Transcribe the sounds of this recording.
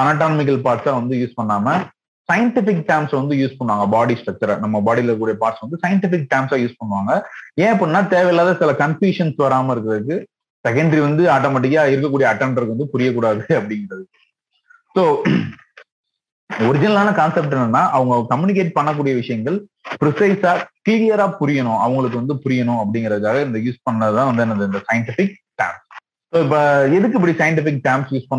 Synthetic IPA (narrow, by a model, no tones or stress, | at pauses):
ɐnaːʈaːnɐmɪk̬ːɐlpaːɾʈsaːʋɐnd̪ɯjuːspɐɳːaːmɐ | sɐjɐɳʈɪfɪkʈɐɪmsʋɐnd̪ɯjuːspɐɳːɯʋaːŋɡɐbaːɽisʈɐk̚t̪ɐɾɐnɐmːɐbaːɽilɐɾɯkːuːɽɪjɐpaːʈsʋɐnd̪ɯsɐjɐɳʈɪfɪk̚ʈɐɪmsaːjuːspɐɳːɯʋaːŋɡɐẽːɐp̬ːoːnːaːt̪eːʋɐjlːaːðɐsɪlɐkɐnfjuːʂɐnsʋɐɾaːmɐɪɾɯkːɾɐðɯkːɯ | sɛkːɐɳɖɾiʋɐnd̪ɯaːʈːoːmɐːʈ̬ɪkaːɪɾɯk̬ːɐkːuːɽɪjɐɐʈːɛɳɖɐɾkɯʋɐnd̪ɯpʊɾɪjɐk̬ːuːɽaːðɯɐpːɐɽɪŋɡɪɾɐðɯ | soː | ɔɾɪd͡ʒɪnɐlaːnɐkaːnsɛp̚ʈɛnːɯnːaːʔɐʋɐŋɡɐkɐmjunɪk̬eːʈ̚pɐɳːɐkːuːɽɪjɐʋɪʂɐjɐŋɡɐɭpɪɾɪsɐɪsaːkliːɾɪjɐɾaːpʊɾɪjɐnʊ̃ɐʋɐŋɡɐɭɯk̬ːɯʋɐnd̪ɯpʊɾɪjɐnʊ̃ɐp̬ːɐɽɪŋɡɪɾɐðɯkːaːɣɐɪnd̪ɐjuːspɐɳːnɐðɯt̪ãːʋɐnd̪ɯɛnːɐɯɪnd̪ɐsɐjɐɳʈɪfɪk̚ | ʈaːmps | soːɪp̬ːɐɛðɯk̬ːɯɪp̬ːɐɽisɐjɐɳʈɪfɪk̚ʈaːmpsjuːspɐɳː